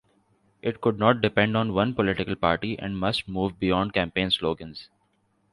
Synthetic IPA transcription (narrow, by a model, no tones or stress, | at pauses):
ʔɪʈ̚kʊɖ̚nɔːʈ̚ɖɪpɛ̃ɳɖɔ̃ːnʋʌ̃npɔlɪʈɪkəlpaːɾʈiʔɛ̰̃ɳɖmʌsʈ̚muːʋbɪjɔ̃ːɳɖ̚kæ̃ːmpẽːnsloːɡə̃nz